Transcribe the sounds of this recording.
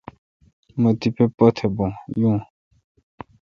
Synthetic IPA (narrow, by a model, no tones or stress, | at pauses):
mə̃t̪ipepɔt̪ʰɛbɔ̃jũ